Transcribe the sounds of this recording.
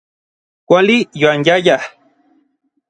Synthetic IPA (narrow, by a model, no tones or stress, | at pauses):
kʷalijwanjaja